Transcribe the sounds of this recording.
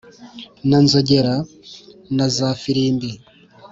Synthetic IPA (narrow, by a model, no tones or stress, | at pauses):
nanzoɟeɾa | nazaːfiɾiːmbi